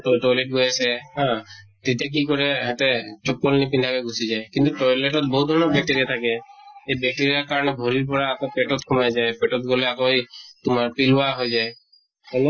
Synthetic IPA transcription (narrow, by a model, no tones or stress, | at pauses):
ʈɔʈɔjleʈ̚ɡojeseɦã | t̪it̪ek̬ikɔɾeɦet̪et͡ʃɔk̚ːɔlnipind̪ʱakeɡʱusid͡ʒaekint̪uʈɔjleʈɔt̪̚bɔɦut̪̚d̪ʱɔɾnɔbɛk̚ʈeɾiet̪ʰakeebek̚ʈeɾiaɾkaɾɔnebʱɔɾiɾpɔɾaːk̪ɔpeʈɔt̪kʰumajd͡ʒaepeʈɔt̪̚ɡoleakojt̪umaɾpilaɦojd͡ʒae | ele